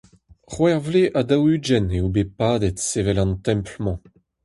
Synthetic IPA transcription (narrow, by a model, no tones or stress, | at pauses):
χwɛʁvleʔadawyd͡ʒɛneubepaːd̪ɛtsevɛlɑ̃ntɛ̃mplmɑ̃